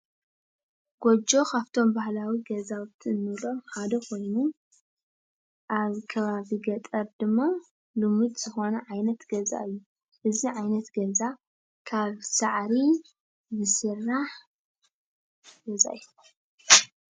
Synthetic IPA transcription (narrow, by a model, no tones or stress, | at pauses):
ɡ̥od͡ʒo̞kʰaβt̪ʰo̞mbahlawiɡɐzawt̪ʰiɨnːɨlo̞ħad̪ɐkʰo̞jnu | ʔaβkʰɐβaβiɡɐt̪ʼɐɾd̪ɨmːa | lɨmɨd̪z̥ɨxo̞nɐʕajnɐt̪ɡɐza̰ɨjːu | ʔɨziʕajnɐt̪ɡɐza | kʰaβsaʕɾi | zɨsɨrːaħ | ɡɐza̰ɨju